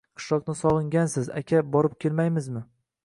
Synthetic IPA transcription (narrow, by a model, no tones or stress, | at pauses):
qʰɨ̥ʃlˠɒqnɪsɒʁɨŋɡʲansɪza̰kʲʰabɒɾɪp̚kʲʰelmajmɪzmɪ